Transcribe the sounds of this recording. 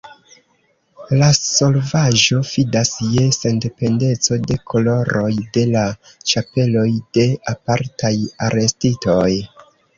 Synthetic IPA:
laso̞lvaʒo̞fidasje̞se̞nde̞pe̞nde̞t͡so̞de̞kʰo̞lo̞ɾo̞jde̞la | t͡ʃape̞lo̞jde̞apaɾtajaɾe̞stito̞j

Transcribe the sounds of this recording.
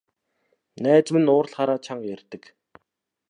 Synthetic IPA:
næːt͡smɘ̆nʊːrɮχaɾaːt͡ɕʰaɴjærʲt̪ɘ̆k

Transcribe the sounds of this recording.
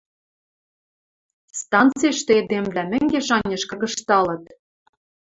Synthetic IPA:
st̪ɑnt͡siʃt̪ĕed̪emvlænɘ̆ŋɡeʃɑnʲeʃkɤ̆ɣɤ̆ʃt̪ɑlɤ̆t̪

